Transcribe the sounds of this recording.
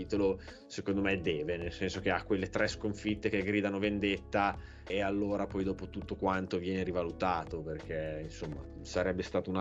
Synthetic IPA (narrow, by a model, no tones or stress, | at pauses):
iːt̪olo | sekond̪omed̪ɛːvenelsɛnsok̟eakːwelːet̪ɾɛskoɱfit̪ːek̟eɡɾiːd̪anovend̪et̪ːa | ealːoːɾapɔjd̪ɔːpot̪ut̪ːokwant̪ovjɛːneɾivalut̪aːt̪operk̟einsomːa̰ | saɾɛbːest̪aːt̪ouna